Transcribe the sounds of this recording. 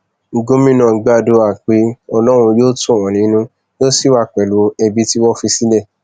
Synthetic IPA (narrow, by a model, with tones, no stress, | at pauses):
ŋ̩˨ɡo˦mĩ˦nã˨ɡ͡ba˦˨do˧a˨k͡pe˨˦ɔ˧lɔ˦ɾ̃ũ˧joː˦tũ˦˨w̃ɔ̃˨nĩ˨˦nũ˦ | jo˦si˦˨wa˦˨k͡pɛ˨lu˨˦ɛ˧bi˧˦ti˦wɔ˦fi˧si˦lɛ˦˨